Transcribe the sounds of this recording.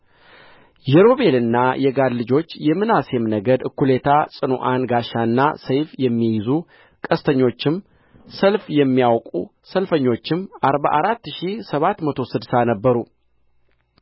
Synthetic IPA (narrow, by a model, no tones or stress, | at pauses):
jɛɾo̞βe̞lɨnːajɛɡad̪lɨd͡ʒo̞t͡ʃːjɛmɨnasemnəɡəd̪ɨkːule̞t̪ʰasʼɨnuʔanɡaʃanːa̰səjfjɛmːijɪzu | kʼəst̪ʰəɲːo̞t͡ʃːɪm | səlfjɛmːijawkʼṵ | səlfəɲːo̞t͡ʃːɪmaɾba̰ʔaɾat̪ːʃisəβat̪mət̪ʰo̞sɨd̪sanəbːəɾu